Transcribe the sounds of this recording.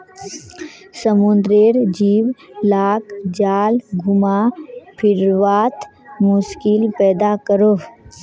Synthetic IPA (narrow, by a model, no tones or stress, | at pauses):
səmʊnd̪ɾeɾd͡ʒiːwlaːkd͡ʒaːlɡʱʊmapʰɪɾʋaːt̪mʊskilpɛːd̪akəɾo